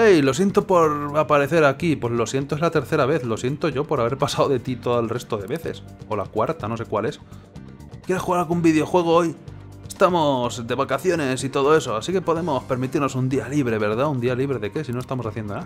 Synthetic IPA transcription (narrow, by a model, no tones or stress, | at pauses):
ejlo̞sje̞nt̪o̞po̞ɾapaɾeθe̞ɾakipwe̞zlo̞sjent̪oezlat̪e̞ɾθe̞ɾaβe̞θlo̞sje̞nt̪o̞ʝo̞po̞ɾaβ̞e̞ɾpasawðe̞t̪it̪o̞ðoelre̞st̪o̞ðe̞βe̞θe̞̰s | o̞lakwaɾt̪ano̞s̬e̞kwale̞s | kjeɾesxuɣaɾalɣumbiðjo̞xwe̞ɣ̞o̞oj | est̪amo̞zd̪e̞βakaθjo̞ne̞sit̪o̞ðo̞e̞so̞asike̞po̞ðe̞mo̞spe̞ɾmit̪iɾnosund̪ialiβ̞ɾe̞βe̞ɾðaund̪ialiβɾe̞ðe̞ke̞sino̞est̪amo̞saθje̞nd̪ona